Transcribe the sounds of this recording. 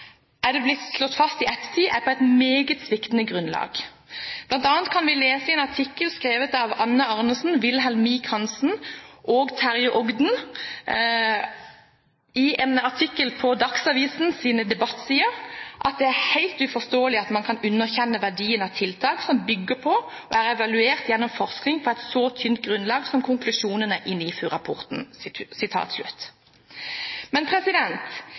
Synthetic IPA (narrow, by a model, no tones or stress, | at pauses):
ʔæd̪ɛblɪt̪slɔt̪ːfɑst̪ɪɛt̪ːə̥t̪ʰiːʔæpʰɔːæɪt̪meːɡət̪sʋɪkt̪ənəɡʁʉnlɑ̰ːɡ | b̥lɑnt̪ɑːnt̪̚kʰɑnʋɪleːsəɛːnɑʈʰɪkːəlskʁeːʋət̪ɑʋɑnːəɑʁnəsn̩ʋɪlɦɛlmiːkʰɑnsn̩ʔoːɡt̪ʰæʁjʊʔɔɡd̪n̩ | ɪʔɛnɑʈʰɪkːəlpʰɔd̪ɑksɑʋiːsn̩siːnəd̪ɛbɑt̪ːsiːəʔɑt̪̚d̪ɛæʁhæɪlt̪ʉfɔst̪oːəlɪɑt̪mɑnkʰɑnʉnːəʁçɛnːəʋæɖiːənɑʋt̪ʰɪlt̪ʰɑːksɔmbʏɡːəpʰɔ | ɔ̰æʁɛʋɑlʉeːʁt̪jɛnːɔmfɔʁsknɪŋpʰɔɛɪt̪soːt̪ʰʏnt̪̚ɡʁʉnlɑːɡsɔmkʰʊŋklʉʃuːnənəʔɪnːifyːɾɑpʰɔ̰ʁt̪n̩sɪt̪ʰɑ̰ːt̪slʉ̰t̪ | mɛnpʰɾɛsɪd̪ɛnt̪